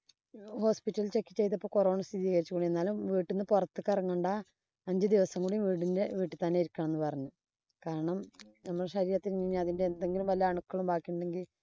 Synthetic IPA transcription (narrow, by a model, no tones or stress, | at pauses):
ho̞ːspitːɐlilt͡ɕe̞kːit͡ɕːe̞jt̪̬ːɐpːoːkoroːɳɐst̪iðiːɣɐɾit͡ɕːukoːɳie̞nːaːlumʋiːʈːunːɨpurɐt̪ːɨkːɐrɐŋːoɳɖa | ɐɲd͡ʑɨd̪iʋɐsɐŋːuɽejumʋiːʈindeʋiːʈːɨt̪ːɐnːeiɾukʲːɐɳɐmenːɨpɐrɐɲːu | kaːɾɐɳɐmnɐmːɐɭɕɐɾiːɾɐt̪ːinɲiɲːaɐðinde̞end̪eŋɡilumʋɐlːɐɐɳukːɐɭumbaːkːijuɳɖe̞ŋɡil